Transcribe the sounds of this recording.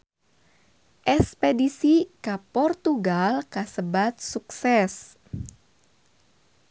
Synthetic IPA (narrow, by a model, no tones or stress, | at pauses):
ʔɛspedisikapɔrt̪uɡalkasəbat̪̚suksɛs